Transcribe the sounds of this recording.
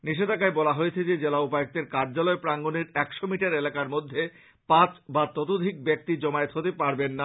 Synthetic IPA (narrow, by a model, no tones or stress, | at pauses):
niʃed̪ʱakaebɔlaɦojet͡ɕʰed͡ʑed͡ʑelaupaek̚t̪eɾkaɾd͡ʑalɔepɾaŋɡoneɾɛkʃomiʈaɾelakaɾmod̪ʱːe | pat͡ɕbat̪ɔt̪od̪ʱik̚bek̚t̪id͡ʑɔmaet̪ɦot̪epaɾbenːa